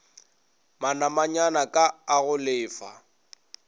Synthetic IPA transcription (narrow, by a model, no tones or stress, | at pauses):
manamaɲanakʼaːɣʊlɪːfa̰